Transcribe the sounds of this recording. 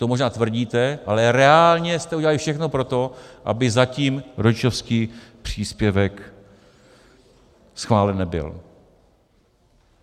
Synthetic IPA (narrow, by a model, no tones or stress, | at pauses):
t̪omoʒnaːt̪vr̩ɟiːt̪ɛʔalɛɾɛaːlɲɛst̪ɛʔuɟɛlalɪfʃɛxnopɾo̞t̪o̞ʔa̰bɪzaciːmɾot͡ʃofskiːpr̝̥iːspjɛvɛk | sxvaːlɛnːɛbɪ̰l